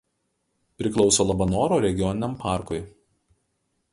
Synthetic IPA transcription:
pʲɾʲɪklˠɒʊsoːlˠɐbɐnoːɾoːɾʲɛɡʲɪjɔnʲɪnʲɛmpɑˑɾkʊɪ

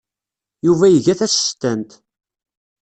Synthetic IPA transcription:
juvæjəʝæθæsə̥st̪ːænt̪

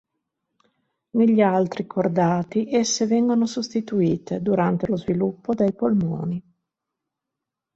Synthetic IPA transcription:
neʎːialt̪ɾikʰord̪aːt̪iʔesːevɛŋɡonosust̪it̪uiːt̪ed̪uɾant̪elozvilupːod̪ejpolmo̰ːni

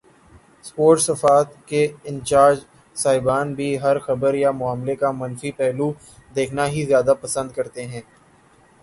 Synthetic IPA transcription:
spoːɾʈsɐfaːt̪keɪ̃nt͡ʃaːɾd͡ʒ | saːɪbaːnbʱiɦɐɾxɐbəɾjamʊaːmlekamɐnfipɛɦlu | d̪eːkʰnaɦizjaːd̪apɐsə̃nd̪̚kɐɾt̪eɦɛ̃ː

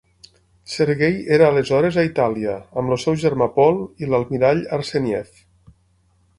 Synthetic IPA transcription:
seɾɣejeɾaːlezɔɾezait̪aliəːmlosɛwʒeɾmapɔlˠilalˠmiɾaʎaɾsenjɛf

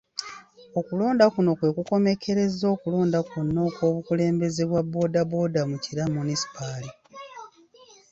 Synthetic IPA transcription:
o̞kuloːndakuno̞kwe̞ːkuko̞me̞kʰe̞ɾe̞zo̞ːkulo̞ːndakunːo̞ːko̞ːβukule̞ːmbe̞ze̞βwabo̞ːdaβo̞ːdamuciɾamunisi̥pali

